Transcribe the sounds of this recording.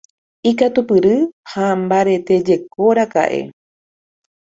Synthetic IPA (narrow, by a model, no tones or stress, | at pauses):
ikat̪upɨɾɨhambaɾe̞t̪e̞d͡ʒe̞koɾaka̰ʔe̞̰